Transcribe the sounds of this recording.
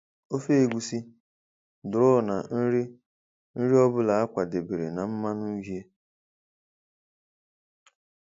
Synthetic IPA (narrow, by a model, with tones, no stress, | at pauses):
o˦fe˦e˨ɡʷu˨si˦ | dʊ˨ɾʊ˦˨na˨n̩˦ɾi˦ | n̩˦ɾi˦ɔ˦bʊ˦la˨a˦kʷa˨de˨be˨ɾe˨na˨m̩˦ma˦nu˦ɦi˦e˦